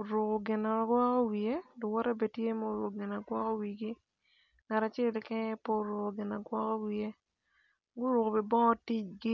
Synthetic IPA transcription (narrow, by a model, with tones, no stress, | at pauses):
o˨ɾo˨ko˨ɡɪ˨na˨ɡwɔ˦kɔ˦wi˨e˦dʊ˨wɔ˦ɾa˦be˨tje˦mɔ˦˨˦ɾʊ˨kɡɪ˨na˨ɡwɔ˦kɔ˦wi˨ɡɪ˦ | ŋa˨ɾa˨t͡ʃɛ˦lkɛ˦po˦˨ɾʊ˨ko˨ɡɪ˨na˨ɡwɔ˦kɔ˦wi˨e˦ | ɡʊ˦ɾʊ˨ko˨pɪ˨bɔ˦tɪ˦t͡ʃɡɪ˦